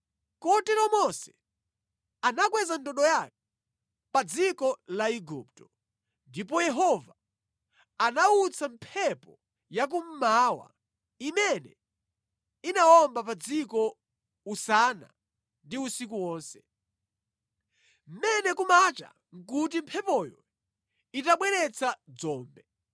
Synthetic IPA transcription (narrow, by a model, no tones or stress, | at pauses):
kɔtɛɾɔmɔsɛ | anakwɛzandɔɗɔjak̚ɛ̥ | pad͡zikɔlaiɡup̚tɔ̥ | ndip̬ɔjɛɦɔva | anaut͡sʰampʰɛpɔ | jak̬um̩mawa̰ | imɛnɛ | inawɔmbapad͡zikɔ | usana̰ | ndiusik̬uwɔːnsɛ̥ | m̩mɛnɛkumat͡ʃa̰ | ŋ̩kutim̩pʰɛpɔjɔ | itaɓwɛɾɛt͡sʰad͡zɔːmbɛ